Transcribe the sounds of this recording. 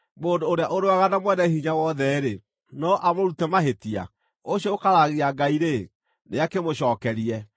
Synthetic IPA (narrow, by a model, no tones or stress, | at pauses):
moːndoːɾeaʔoɾoaɣanamwɛnɛhiɲawɔðɛɾe | nɔʔamoɾutɛmaɦetia̰ | oɕɔokaɾaɣeaɡaiɾe | neakemoɕɔːkɛɾiɛ